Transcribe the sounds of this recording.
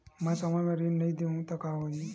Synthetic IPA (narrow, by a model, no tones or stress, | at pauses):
mɛ̃sɐməjmẽɾinnɐɦĩd̪eɦũt̪ɐkaɦoːi